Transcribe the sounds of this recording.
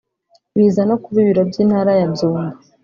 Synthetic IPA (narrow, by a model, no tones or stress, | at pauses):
βiːzanokuβiβiɾabɟiːnhaːɾajazuːŋɡa